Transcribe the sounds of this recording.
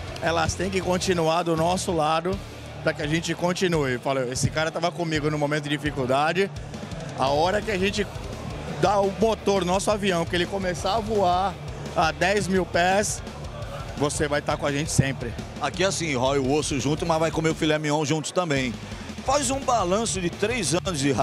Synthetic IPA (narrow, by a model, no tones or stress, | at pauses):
ɛlɐst̪ẽj̃kɪkõnt͡ʃĩnuaɾd̪ʊnɔsʊlad̪ʊ | pɾɐkɪaʒẽnt͡ʃɪkõnt͡ʃinuɪfaloesɪkaɾɐt̪avɐkõmiɡʊnũmõmẽt̪ʊd͡ʒɪd͡ʒifikuwd̪ad͡ʒɪ | a̰ɔɾɐkɪaʒẽnt͡ʃɪ | d̪aʊmot̪oɾnnɔsʊaviɐ̃w̃kɪelɪkõmesaavuaɾad̪ɛjzmiwpɛs | vosevajt̪akõaʒẽt͡ʃɪ̥sẽpɾɪ | akiasĩɦɔɪʊosʊʒũnt̪ʊmɐzvajkõmeʊfilɛmĩõw̃ʒũnt̪ʊ̥t̪ɐ̃mbẽj̃ | fajzũbalɐ̃sʊd͡ʒɪt̪ɾejzɐ̃nʊzd͡ʒɪɦ